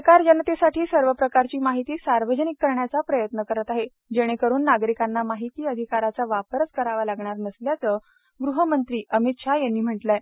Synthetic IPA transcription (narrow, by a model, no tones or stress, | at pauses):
kaɾd͡ʑanːat̪esaʈʰiːsəɾʋəpɾəkaɾt͡ɕiːmaɦit̪iːsaɾʋəd͡ʑənikːəɾɳjat͡sapɾəjət̪nəkəɾət̪aɦe | d͡ʑeɽ̃ekəɾuːnːaɡɾikanːamaɦit̪iːəd̪ʱikaɾat͡saʋapəɾət͡skəɾaʋalaɡɳ̃aɾnəsljat͡səː | ɡɾuɦəmənt̪ɾiːəmit̪ʂajanːiːm̤əʈla